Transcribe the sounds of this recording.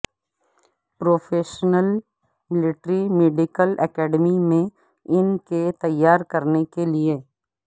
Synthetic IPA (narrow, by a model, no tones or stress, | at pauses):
pɾoːfʰeːʃnəl | mɪlɪʈɾimeːɖɪkəlɛkɛːɖmimẽ | ɪnket̪ɐjːaːɾkɐɾnekelie